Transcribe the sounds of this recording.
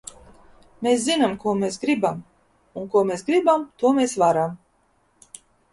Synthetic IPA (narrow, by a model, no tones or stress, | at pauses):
meːszinamkuɔmeːsɡɾibam | uŋkuɔmeːsɡɾibamt̪uɔmeːsvaɾam